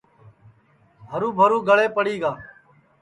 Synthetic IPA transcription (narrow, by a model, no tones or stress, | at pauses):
ɦəɾũːbʱəɾũːɡəɭeːpəɽiːɡaː